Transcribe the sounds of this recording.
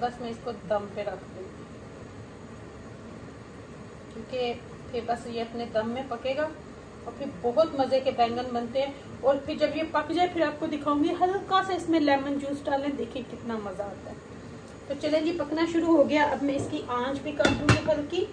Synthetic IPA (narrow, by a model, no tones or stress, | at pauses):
bɐsmẽɪskod̪ɐ̃mpeɾɐkʰd̪ẽ | kjũːke | pʰɪɾbɐsjeɐpned̪ɐ̃mːẽpɐkeːɡaː | ɔːɾpʰɪɾbɔɦʊt̪mɐzekebɛ̃ːŋɡənbɐnt̪eɦɛ̃ | ɔːɾpʰɪɾd͡ʒɐbjepɐkd͡ʒaːepʰɪɾaːp̚kod̪ɪkʰaːũːŋɡiɦɐlkasaɪsmẽlɛːmənd͡ʒuːsʈaːlɛ̃d̪eːkʰẽkɪt̪namɐzaaːt̪aɦɛ | t̪ot͡ʃɐlẽd͡ʒipɐknaʃʊɾuɦoɡɐjaʔɐbmɛ̃ɪskiʔãːt͡ʃbʱikaːɾd͡ʒ̪ũːɡipɐlki